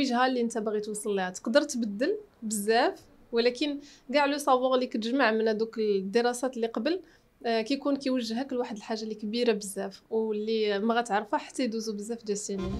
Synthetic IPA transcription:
iʒhælːiʔənt̪æbaɣit̪wɑsˤːlːiæt̪ə̥qd̪əɾˤt̪bəd̪ːəlbəzːæf | wlækənɡaʕlusˤɑwɑɣlikæt̪əʒmaʕmənhæd̪ukəld̪ːəɾˤɑsæt̪lːiqɑbəl | kæjkunkæjwəʒːɦækəlwaħəd̪əlħaʒːalikbiɾabəzːæfwlːimæɣæt̪ʕɑɾˤfaħḁt̪ːæjd̪uzubəzːæfd̪æsini

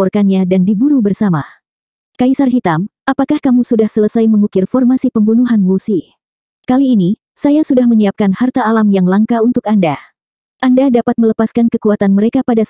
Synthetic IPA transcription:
ɔrkanɲadandibuɾubərsama̰ | kaisarɦit̪amapakahkamusudahsələsajməŋukɪrfɔrmasipəmbunuɦanbusi | kaliːni | sajasudahməɲiap̚kanhart̪aːlamjaŋlaŋkaunt̪ʊkanda | ʔandadapat̪̚mələpaskankəkuat̪anməɾekapadas

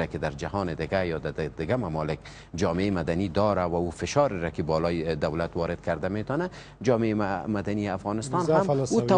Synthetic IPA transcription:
akɪd̪aɾd͡ʒahɒːnɪd̪ɪɡajɒːd̪ad̪ɪɡamamɒlɪk | d͡ʒɒːmeemad̪anid̪ɒɾawaufɪʃɒɾɪɾakɪbɒːlɔjed̪awlat̪wɒːɾɪd̪̥̚kaɾd̪amet̪ɒna | d͡ʒɒːmeemad̪anieafɣɑːnɪst̪ɑnhamut̪a

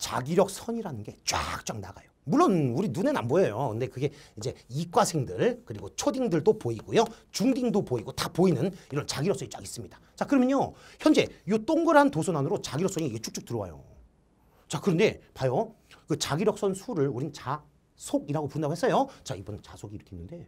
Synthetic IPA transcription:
t͡ɕa̰ɡiɾjʌk̚s͈ʰʌɲiɾanɯnɡe̞t͡ɕwa̰k̚t͡ɕ͈waŋna̰ɡa̰jomuɭːonuɾinune̞na̰mbojʌjokɯnde̞kɯɡe̞id͡ʑe̞ik͈wasʰeŋdɯɭkɯɾiɡot͡ɕʰodiŋdɯɭdopoiɡojot͡ɕuŋdiŋdopoiɡotapoinɯniɾʌnt͡ɕaɡiɾʌks͈ʰɲit͡ɕ͈a̰ɡis͈ɯmɲid̥ḁ | t͡ɕakɯɾʌmjʌɲoçjʌnd͡ʑe̞jot͈oŋɡɯɾɦantosʰonanuɾot͡ɕaɡiɾjʌks͈ʌɲiiet͡ɕʰuk̚t͡ɕ͈uk̚tɯɾʌwa̰jo̰ | t͡ɕakɯɾʌnde̞pajo | kɯt͡ɕaɡiɾjʌk̚s͈ʌnsʰuɾɯɭuɾinnt͡ɕa | sʰoɡiɾaɡopuɾɯndaɡohes͈ʌjot͡ɕaibʌnɯnt͡ɕasʰoɡiɾʌkʰenːɯnde̞

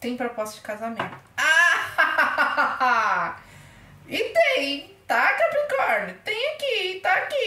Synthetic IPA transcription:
t̪ẽj̃pɾopɔst̪d͡ʒɪkazamẽnt̪ʊ̥a | a | ɪt̪ẽj̃t̪akapĩkɔɾt̪ẽj̃akit̪aːki

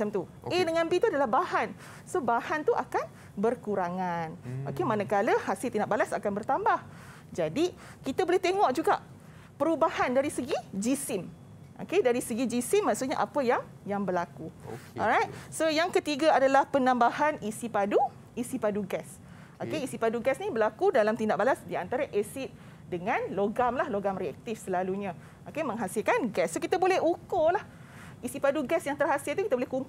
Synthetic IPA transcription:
mat͡ʃamt̪u | edəŋãnbit̪uadalahbahan | sobahant̪uʔakan | bərkuɾaŋano̰kemanəkaləhasɪlt̪inaʔbalasa̰kanbərt̪ambah | d͡ʒadi | kit̪abolɛht̪eŋɔʔd͡ʒuɡa̰ʔ | pəɾubahandaɾisəɡid͡ʒisɪm | ʔo̰kedaɾisəɡid͡ʒisɪmːaʔksusɲaʔapəjaŋ | jaŋbəlakuʔɔ̰ɾajt̪̚sojaŋkət̪iɡaadalahpənãmbahanisipadu | isipaduɡɛs | okeisipaduɡɛsnibəlakudalamt̪indaʔ̚balasdiant̪aɾaʔesɪt̪̚ | dəŋãnloɡamlahloɡamriɛ̰k̚t̪ifsəlaluɲã | ʔokemə̃ŋɦasilkanɡɛsːokit̪abolɛhukolah | isipaduɡɛsjaŋt̪ərɦasɪlt̪ukit̪abolɛhkuŋk

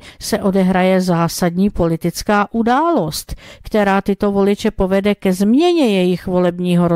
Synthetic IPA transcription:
sɛʔo̞dɛɦɾajɛzaːsad̪ɲiːpo̞lɪt̪ɪt͡skaːʔudaːlost̪kt̪ɛɾaːt̪ɪt̪o̞vo̞lɪt͡ʃɛpo̞vɛdɛkɛzmɲɛɲɛjɛjɪxvo̞lɛbɲiːɦoɾo

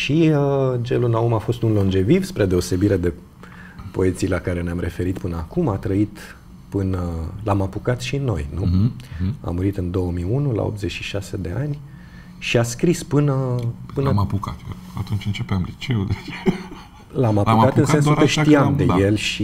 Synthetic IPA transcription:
ʃiəd͡ʒelunaumafo̞st̪unlo̞nd͡ʒe̞vivspɾed̪e̞o̞se̞biɾe̞d̪e̞ | po̞e̞t̪sijlakaɾe̞neamɾe̞fe̞ɾit̪pɨnəakumat̪ɾəit̪ | pɨnəlamapukat̪ʃinːo̞̰jnu | a̰mːuɾit̪ɨnd̪o̞wəmiunula̰op̚t̪zet͡ʃʃiʃase̞d̪e̞anʲ | ʃiaskɾispɨnəpɨnəmapukat̪ | at̪unt͡ʃɨnt͡ʃepeamlit͡ʃe̞ud̪e | lamapukat̪ɨnsensukəʃt̪iamd̪e̞je̞lʃi

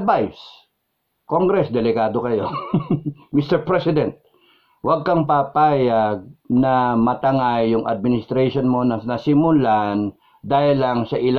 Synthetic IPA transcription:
d̪̚vajs | koŋɡɾɛsd̪ɛlɪɡaːd̪okɐjo̞ | mist̪ɛɹpɹɛsɪd̪ɛnt̪̚ | wɐɡ̚kɐŋpapaːjaɡ̚nɐmɐt̪ɐŋajːʊŋʔɐ̰d̪̚mɪnɪst̪ɾaʃonmonɐnɐsɪmʊlan | d̪aːhɪlːɐŋsɐʔɪl

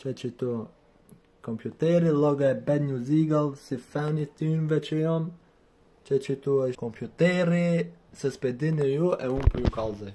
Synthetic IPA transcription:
t͡ʃɛt͡ʃit̪u | kompjut̪ɛɾilɔɡɛbɛd̪ɲuziɡalsifanit̪invɛt͡ʃiɔm | t͡ʃɛt͡ʃit̪uɛkompjut̪ɛɾi | sɛsped̪inijuʔɛumpujukalzɛ

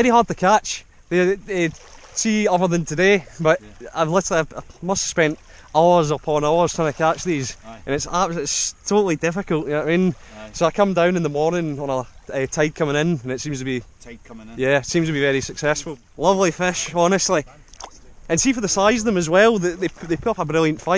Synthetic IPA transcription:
ɛɹihɑɹd̚tʰəkʰat͡ʃ | ðeɛ | siʌðə˞ðə̃ntʰədeb̥ʌʔa̰ɪvlˠɪtə˞lˠiaɪaɪmʌstspɛ̃nʔ | aʊə˞zəpʰɔ̃naʊə˞z̥tʰɹ̥ãɪnəkʰat͡ʃðizə̃nɪtsaɪtstʰoʔl̩ˠidɪfɪkəl̩ˠʔənamĩn | soaɪkʰʌ̃mdãʊ̃nɨ̃nðəmɔɹnɪ̃ŋə̃nəɛtʰaɪd̚kʰʌ̃mɪ̃ŋɪ̃nə̃nɪtsĩmz̥tʰəbĩ | jæɪtsĩmz̥tʰəbivɛɹisəksɛsfəl̩ˠ | lˠʌvlˠifɪʃɔnəstˡlˠi | ə̃nsifə˞ðəsaɪzʌvðə̃məzwɛlˠðɪðeðepʰʊtʌpəbɹɪlˠjə̃ntfaɪʔ

